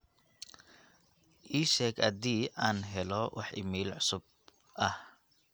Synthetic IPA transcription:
ʔiːʃɛːɡɐd̪iːʔaːnɦɛlɔwʔɑ̰ħʔɪ̰miːlʕʊsʊb̚ | ʔɐh

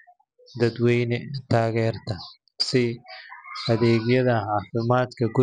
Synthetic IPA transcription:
d̪ɐd̪wɛjnɛt̪ʰaːɣɛːɾt̪ʰɐ | sɪ | ɐðɛːɡjɐðɐɦaːfɪmaːt̪kʰɐɡʊ

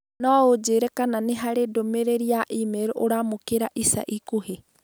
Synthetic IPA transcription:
nɔud͡ʒeɾekananeɦaɾedomeɾeɾiaʔimeɾuʔoɾamokeɾaʔisa̰ʔikuɦe

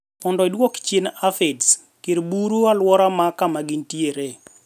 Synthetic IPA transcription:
mɔndɔɪdwokt͡ʃenafeds | kiɾbuɾualwɔɾamakamaɡintieɾe

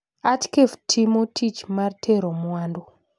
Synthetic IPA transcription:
atkevtʰimotʰit͡ʃmartʰeɾomuwaːndo

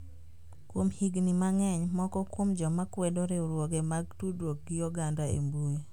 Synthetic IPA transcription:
kwomhiɡnimaŋɛɲmɔkɔkwomd͡ʒɔmakwedoɾeʊɾwɔɡemaɡ̚tudwok̚ɡijɔɡandaḛmbuj

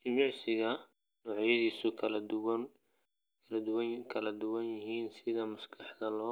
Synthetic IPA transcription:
d͡ʒɪmɑʕsɪɣɐ | nɔːʕjɐðiːsʊkʰɐld̪wn | kʰɐlɐd̪ʊwɐkʰɐlɐd̪ʊwɐnjɪɦiːnsɪðɐmɐskʰɑħd̪ɐlɔː

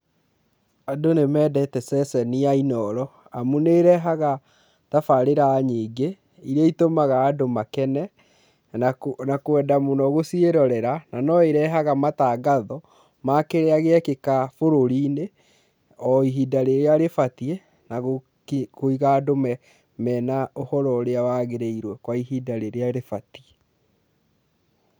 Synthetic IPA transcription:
adonemɛːdɛtɛsɛsɛniainɔɾɔ | amuneɾɛɦaɣa | tafaɾeɾaːɲiːɡe | iɾeitomaɣaːdomakɛnɛ | nakwɛdamonɔɣosieɾɔɾɛɾananɔeɾɛɦaɣamataːɡaðɔ | makeɾeaɣeɛkekafoɾoɾiːne | ɔiɦidaɾeɾeaɾefatie | naɣo | kkoiɣaːdomɛ | mɛːnaohɔɾɔɾeawaːɣeɾeiɾwɛkwaiɦidaɾeɾeaɾefatie

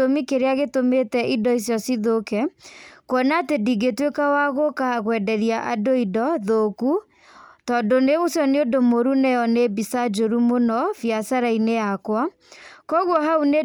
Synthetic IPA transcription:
omikeɾeaɣetometɛʔidɔisjɔsiðokɛkwɔnatediɡetwekawaɣokaaɣwɛdɛɾiaʔadoidɔðoku | tɔndoneɣosjɔneodomoɾunɛjɔnebisad͡ʒoɾumonɔfjasaɾainejakwa | kɔɣwɔɦaune

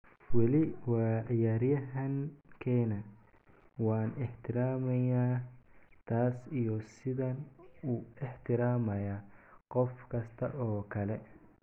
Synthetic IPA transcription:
wɐlɪwɑːʕɪjaːɾjɐɦɐŋkʰɛːnɐ | wɑːnɪħt̪ʰɪɾaːmɐjaː | t̪ʰaːsijɔsɪðɐnʊɪħt̪ʰɪɾaːmɐjaːqɔfkʰɐst̪ʰɐʔɔːkʰɐlɛ

